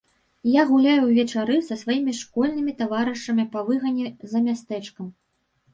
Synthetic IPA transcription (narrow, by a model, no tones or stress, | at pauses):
jaɣulʲajuwvʲɛt͡ʂaɾɨsɐsvajimʲiʂkɔlʲnɨmʲit̪avaɾɨʂɐmʲipɐvɨɣɐnʲːɛzɐmʲast̪ɛt͡ʂkɐm